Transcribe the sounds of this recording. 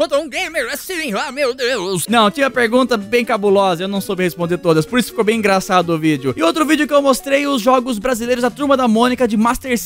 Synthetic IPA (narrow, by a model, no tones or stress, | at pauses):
õt̪ũɡemeɾɛssiĩamed̪eesnɐ̃w̃t͡ʃĩɲɐpeɾɡũnt̪ɐbẽj̃kabulɔzɐewnɐ̃w̃sowbɪhespõnd̪eɾt̪od̪ɐspoɾisʊ̥fi̥kowbẽj̃ĩɡɾasad̪ʊʊvid͡ʒɪʊɪowt̪ɾʊvid͡ʒjʊkɪewmost̪ɾejʊzʒɔɡʊzbɾazilejɾʊzɐt̪uɾmɐd̪ɐmõnikɐd͡ʒɪmast̪eɾs